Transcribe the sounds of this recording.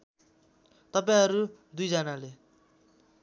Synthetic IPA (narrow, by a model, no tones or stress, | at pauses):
t̪ʌpaĩɦʌɾud̪ujd͡zʌnale